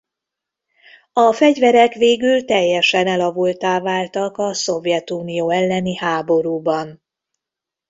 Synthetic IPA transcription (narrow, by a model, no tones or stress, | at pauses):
ɒfɛɟvɛɾɛkʋeːɡylt̪ɛjːɛʃɛnɛlɒvult̪aːvaːlt̪ɒkɒso̞vjɛt̪uːnijoːɛlːɛnihaːbo̞ɾuːbɒn